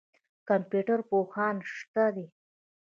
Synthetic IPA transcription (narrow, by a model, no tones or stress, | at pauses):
kampjuʈaɾpoxɑnʂt̪ad̪e